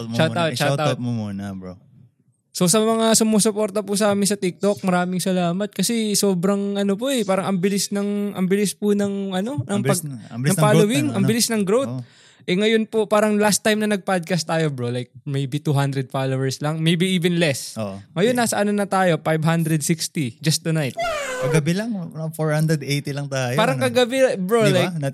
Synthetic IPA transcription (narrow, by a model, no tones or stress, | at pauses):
ʃat̪awt̪̚t͡ʃat̪atunɐ | sosɐmɐŋasʊmoːsʊpo̞ɾt̪ɐpusɐaːmɪnsɐt̪ɪk̚t̪o̞k̚mɐɾaːmɪŋsɐlaːmɐt̪̚kɐsɛso̞ːbɾɐŋʔɐnopoʔɛpaːɾɐŋɐmbɪlɪsnɐŋʔɐ̰mbɪlɪspʊnɐŋʔɐno̞nɐŋpɐɡɐŋpaːlowɪŋʔɐŋbɪlɪsnɐŋɡɾowt̪̚ | ʔɛŋɐjonpopaːɾɐŋlast̪ːajmnɐnɐɡ̚pad̪̚kast̪aːjobɹolajk̚mejbit̪uɦand̪ɾɛd̪̚falowɛɹslɐŋmejbiʔiːvɛnlɛsoʔŋɐjonːaːsɐʔɐnonɐt̪aːjo̞fajbɦand̪ɾɛd̪̚sikst̪id͡ʒɐst̪ːʊnajt̪̚kɐɡɐbɪlɐŋɐfoɹhand̪ɾɛd̪ejt̪ilɐŋt̪aːjpaːɾɐŋkɐɡɐbɛbɹolajk